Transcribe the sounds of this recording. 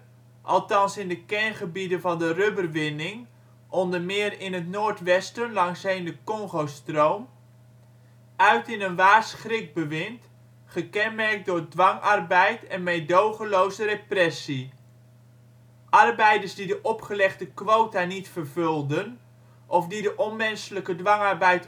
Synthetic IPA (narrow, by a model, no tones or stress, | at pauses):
ʔɑ̰lˠtɑnsɪndəkɛnχəbidənvɑndərøbərʋɪnɪŋ | ʔɔndəɹmɪːrɪnətnoːɹtʋɛstənlɑŋsɦejndəkɔŋχowstrowm | œɥtɪnənʋaːrsχrɪk̚bəʋɪnt | χəkɛnmɛɹk̚dʊɹdʋɑŋɑrbɛjtɛnmejdowχəlowzəreprɛsi | ʔɑrbɛjdəɹsdidəʔɔpχəlɛχdəkʋowtanitfərvɵlˠdən | ʔɔfdidəʔɔnmɛnsələkədʋɑŋɑɹbɛjt